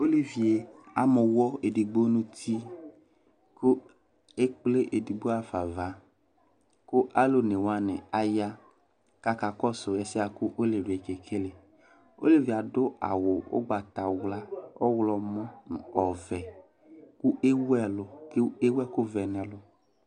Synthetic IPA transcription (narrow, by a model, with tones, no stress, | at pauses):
o˦li˦vi˨e˨a˨mʊ˨wɔ˦e˨di˨ɡ͡bo˦nʊ˦tʰi˦ | kʊ˦ | e˦k͡ple˦ʔe˨di˨ɡ͡bo˦a˦fa˨va˨˦ | kʊ˦ʔa˦lo˨ne˨wa˦nɪ˨a˦ja˦ | ka˦ka˨kɔ˦sʊ˨jɛ˨sɪ˦a˨kʊ˦ʔo˦le˨vi˨e˨ke˨kʰe˦le˨ | o˦le˨vi˨a˨dʊ˦a̰˨wʊ˨ʊ̰˦ɡ͡ba˨ta˨wla˦ɔ˦wlɔ˨mɔ˦˨ɔ˨vɛ˨ | kʊ˦ʔe˦wɛ˦lʊ˨ke˦wɛ˦kʊ˦vɛ˨nɛ˨lʊ˨